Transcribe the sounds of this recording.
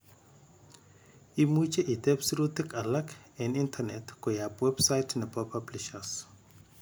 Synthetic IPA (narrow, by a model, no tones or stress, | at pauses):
imut͡ʃeʔit̪ɛpsɾut̪ikalakɛnintʰanɛtkɔjapwɛbsajtnɛpapʰablɪʃas